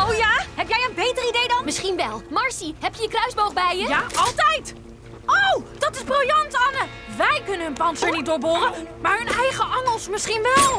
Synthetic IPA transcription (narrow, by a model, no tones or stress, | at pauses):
owjaːɦɛpjɛjənbejtəridejdɑnmɪsχinʋɛlˠmɑɹsiɦɛpjəjəkrœɥzbowχbɛjəjaɑlˠtɛjt | owd̥ɑtɪzbroljɑntɑnə | ʋɛjkɵnənɵnpɑntsəɹnit̚dʊːɹboːrəmaːɹɦɵnɛjχəʔɑŋəlˠsmɪsχinʋɛlˠ